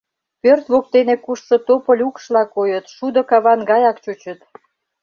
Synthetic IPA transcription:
pørt̪βok̚t̪enekuʃʃŏt̪opəlʲukʃlɑkojət̪ʃud̪ə̆kɑβɑnɡɑjɑkt͡ɕut͡ɕət̪

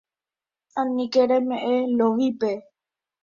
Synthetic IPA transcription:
ãnĩkeɾemẽʔeloʋipe

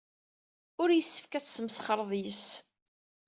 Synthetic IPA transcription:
ʊɾjəsːə̥fkæt͡ssəmsχəɾˤðˤjəs

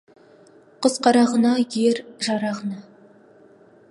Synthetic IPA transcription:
qʰəzqʰɑɾɑʁənɑjeɾʒɑɾɑʁənɑ

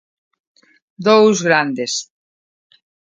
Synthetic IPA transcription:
d̪owzɣɾand̪es

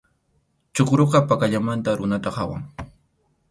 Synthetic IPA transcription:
t͡ʃoqɾoqɑpakaʎamant̪aɾʊnat̪ahawa̰ŋ

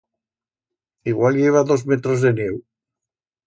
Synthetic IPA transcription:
iɣwalʎeβ̞aðozmet̪ɾozðenew

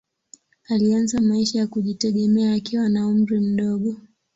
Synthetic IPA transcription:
alianzamaiʃajakuʄitɛɠɛmɛaːkiwanaum̩ɾim̩ɗɔɠɔ

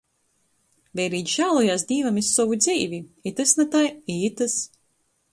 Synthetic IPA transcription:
vʲɛjɾiːt̪ʒaːlˠɔjaːsd̪ʲiːvamisːɔvud̪ziːvʲiit̪ɨsnat̪ajiːt̪ɨs

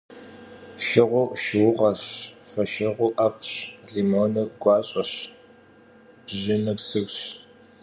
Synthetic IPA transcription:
ʃɪʁʷʊʃɪwʊʁɐɕfɐʃɐʁʷʊʔɐfɕɮiːmoːnɐɡʷɑːɕʼɐɕ | ʑɪnɐksɨwɕ

